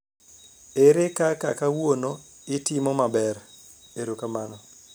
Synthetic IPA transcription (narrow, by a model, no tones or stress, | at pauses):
eɾekakakawono | ɪtɪmɔmabɛr | eɾokamanɔ